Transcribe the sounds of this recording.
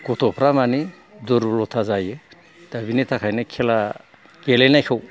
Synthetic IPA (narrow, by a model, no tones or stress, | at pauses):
ɡ̥ɔtʰɔpʰɾamani | duɾblɔt̪ʰazaje | d̪̥abinetʰakʰajnakʰela | kelenajkʰaw